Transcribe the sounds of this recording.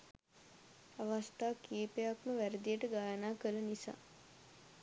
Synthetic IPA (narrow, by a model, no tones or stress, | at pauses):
aʋast̪aːkiːpejakməʋæɾəd̪ijəʈəɡaːjənaːkələnisa̰ː